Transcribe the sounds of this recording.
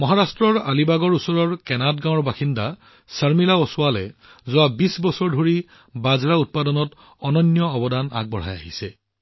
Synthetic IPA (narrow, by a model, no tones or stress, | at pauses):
mɔɦaɹastɹɔɹalibaɡɔɹusɔɹɔɹkɛnadɡãw̃ɔɹbaxinda | səɹmilaɔsʊalɛ | zʊabisbɔsɔɹdʱoɹi | bazɹaut̚padɔnɔt | ɔnɔnːjɔːbɔdana̰ɡ̚bɔɹ̤a̰ja̰ɦisɛ